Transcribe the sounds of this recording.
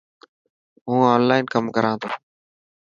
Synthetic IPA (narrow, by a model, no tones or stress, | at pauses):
ɦũːoːnlaːɪnkəmkəɾãːt̪ʰoː